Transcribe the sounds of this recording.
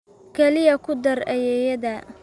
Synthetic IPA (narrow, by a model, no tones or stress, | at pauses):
kʰɛlɪjɐkʰʊd̪ɐrɐjɛjɐðɐ